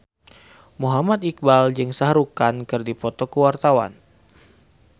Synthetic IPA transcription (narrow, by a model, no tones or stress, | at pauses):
muɦamat̪ik̚bald͡ʒɨŋsaɦɾukankɨrdipɔt̪ɔkəwart̪awa̰n